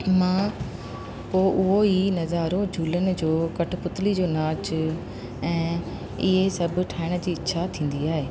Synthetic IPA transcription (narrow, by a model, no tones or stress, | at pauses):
mãː | poːʔʊɦoinɐzaːɾõd͡ʑʱuːlənɪ̆d͡ʑoːkɐʈʰpʊt̪lid͡ʑoːnaːt͡ɕ | ɛ̃ː | ɪɦesɐbʱʈʰaːɪɽ̃d͡ʑiːɪtːʃʰat̪ʰĩːn̆d̪iaːɦeː